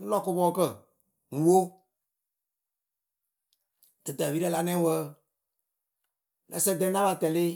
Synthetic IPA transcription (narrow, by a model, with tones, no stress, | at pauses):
n˦lɔ˦kʊ˧bɔː˦kə˦˨ | ŋ̩˨˦wo˦ | dɨ˨də˨viː˦ɾə˦la˨nɛ̃˦wə˦ | na̰˨˦sɛ˦˨dɛ̃˦na˦ba˨tɛ˨le˦